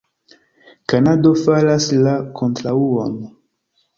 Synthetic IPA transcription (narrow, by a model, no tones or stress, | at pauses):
kanadofalaslakʰontɾauon